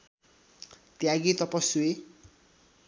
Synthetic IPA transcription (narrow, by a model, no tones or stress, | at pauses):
t̪jaɡit̪ʌpʌsue